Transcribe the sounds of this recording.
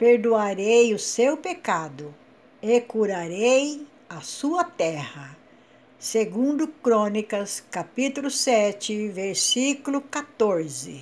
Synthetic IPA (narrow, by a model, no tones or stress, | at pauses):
peɾd̪uaɾejʊsewpekad̪ʊ | ekuɾaɾej | ɐsuɐt̪ɛhɐ | seɡũnd̪ʊkɾõnikɐskapit̪ulʊsɛt͡ʃɪveɾsikulʊkat̪oɾzɪ̰